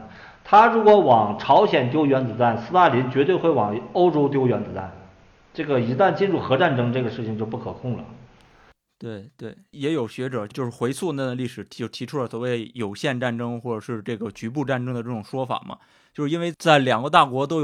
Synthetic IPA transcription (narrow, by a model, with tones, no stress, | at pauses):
t̪ʰa˥ɻu˧˥kwɔ˧˥wɑ˨˩ŋʈ͡ʂʰɑ˧˥ʊɕjɛ˨˩nt̪jo˥ʊɥɛ˧˥nt͡sɹ̩˧˥t̪a˥˩nsɹ̩˥t̪a˥˩li˧˥nt͡ɕɥɛ˧˥t̪we˥˧ɪxwe˥˩ɪwɑ˨˩ŋo˥ʊʈ͡ʂo˥ʊt̪jo˥ʊɥɛ˧˥nt͡s̩˧˥t̪a̰˥˩n | ʈ͡ʂɤ˥˩ɡə˩i˧˥t̪a˥˩nt͡ɕi˥˧nɻu˥˩xɤ˧˥ʈ͡ʂa˥˩nʈ͡ʂɤ˥ŋʈ͡ʂɤ˥˩ɡə˩ʂɻ̩˥˩t͡ɕʰi˩ŋt͡ɕjo˥˧ʊp̬u˥˩kʰɤ˨˩kʰʊ˥˩ŋlə̰˩ | t̪we˥˩ɪt̪we˥˩ɪjɛ˧˥jo˨˩ʊɕɥɛ˧˥ʈ͡ʂɤ˨˩˦t͡ɕjo˥˧ʊʂɻ̩˥˩xwe˧˥ɪt͡sʰwu˥˧na˥˩d̪ə˩li˥˩ʂɻ̩ʰ˨˩o˥˩t̪ʰi˧˥ʈ͡ʂʰu˥lə˨˩swɔ˨˩we˥˩ɪjo˨˩ʊɕjɛ˥˧nʈ͡ʂa˥˩nʈ͡ʂɤ˥ŋxwɔ˥˩ʈ͡ʂɤ˨˩ʂɻ̩˥˧˩ʈ͡ʂɤ˥˩ɡə˩t͡ɕy˧˥p̬u˥˧ʈ͡ʂa˥˩nʈ͡ʂɤ˥ŋd̪ə˨ʈ͡ʂɤ˥˩ʈ͡ʂʊ˨˩ŋʂwɔ˥fa̰˨˩mʔɐ̰˦ | t͡ɕjo˥˧ʊʂ̩ɻi˥nwe˥˧ɪt͡sa˥˩ɪljɑ˨˩ŋɡə˦t̪a˥˩kwɔ˧˥t̪̬o˥ʊj